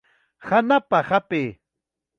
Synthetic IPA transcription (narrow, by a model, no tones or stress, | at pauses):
hanapahapɪː